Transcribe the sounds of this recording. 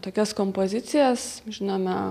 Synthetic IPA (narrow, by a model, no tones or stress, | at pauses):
t̪oːkʲɛskompoːzʲɪt̪sʲɪjɛsʒʲɪnoːmʲɛ